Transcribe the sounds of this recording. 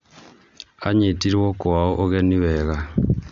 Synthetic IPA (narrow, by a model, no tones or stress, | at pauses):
aɲetiɾwokwaoʔoɣeniweɣa